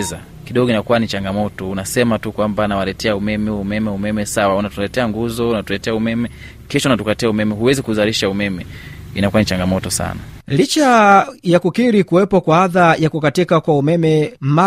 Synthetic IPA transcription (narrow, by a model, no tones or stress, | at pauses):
za | kiɗɔɡɔinakuwanit͡ʃaŋɡamɔtɔunasɛmatukwambanawalɛtʰɛaumɛmɛumɛmɛumɛmɛsawaunatulɛtɛaŋɡuzɔunatulɛtɛaumɛmɛ | kɛʃɔunatukatɛaumɛmɛɦuwɛzikuzaɾiʃaumɛmɛinakuanit͡ʃaŋɡamɔtɔsa̰nalit͡ʃajakukiɾikuwɛpɔkwaaðajakukatikakwaumɛmɛm̩a